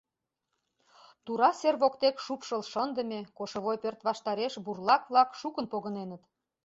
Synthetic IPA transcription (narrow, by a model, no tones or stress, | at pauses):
t̪uɾɑserβokt̪ekʃupʃəlʃənd̪ə̆mekoʃŏβojpørt̪βɑʃt̪ɑɾeʃburlɑkβlɑkʃukə̆npoɣənenə̆t̪